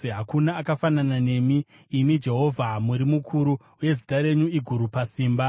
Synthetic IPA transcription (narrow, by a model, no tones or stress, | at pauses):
eɦakunaːkafananane̞miː | mid͡ʒe̞ɦo̞vʱamuɾimukʰuɾu | uje̞zitaɾe̞ɲuiɡʱuɾupasiːmba